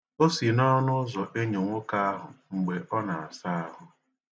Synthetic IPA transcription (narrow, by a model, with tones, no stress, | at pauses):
o˦si˨nɔ˦nʊ˦zɔ˨ʔe˦ɲe˨ŋʷo˦ka˦a˦ɦʊ˨ŋ͡m̩˨ɡ͡be˨ʔɔ˦na˨a˨sa˦a˦ɦʊ˨